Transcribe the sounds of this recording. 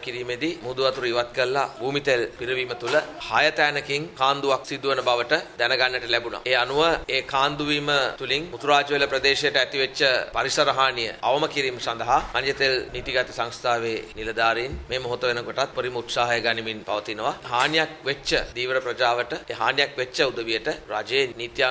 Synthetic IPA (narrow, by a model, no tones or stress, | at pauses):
kiɾiːmed̪imud̪uʋat̪uɾujiʋat̪̚kəlːa̰buːmit̪elpiɾəʋiːmət̪uləhajət̪æːnəkiŋkaːnd̪uʋak̚sid̪uʋənəbaʋəʈəd̪ɛnəɡanːəʈəlɛbuna̰eːanuʋəeːkʰaːnd̪uʋiːmət̪uliŋmut̪uɾaːd͡ʒəʋeləpɾəd̪eːʃejəʈəæt̪iʋet͡ʃːəpaɾisəɾəɦaːnijə̰aʋɐməkiɾiːməsand̪ɐɦamanjət̪elnit̪iɡat̪isaŋst̪ʰaːʋeːnilɐd̪aːɾejnmeːmoɦot̪əʋenəkoʈat̪̚poɾiməut̪saːɦɐjəɡaniminpa̰ʋət̪inəʋaɦaːnijak̚ʋet͡ʃːəd̪iːʋəɾəprɐd͡ʒaːʋəʈəeɦaːnjakʋet͡ʃːəud̪əʋijəʈərad͡ʒeːniːt̪jaː